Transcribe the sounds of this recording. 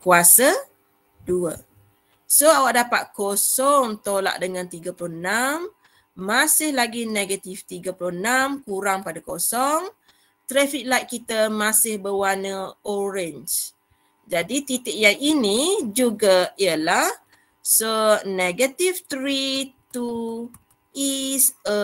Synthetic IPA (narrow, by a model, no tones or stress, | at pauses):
kuasə | duə̰ | soawaʔdapat̪̚kosɔŋt̪ola̰ʔdəŋãnt̪iɡəpulɔhnamː | asɪhlaɡineɡat̪ift̪iɡəpulʊnamkuɾaŋpadakosɔŋ | t̪ɾɛfik̚lajʔkːit̪əmasɪhbəwanəoɾɛnt͡ʃ | d͡ʒadit̪it̪ɪʔjaŋinid͡ʒuɡaiəlah | soneɡət̪ift̪ɾit̪u | isə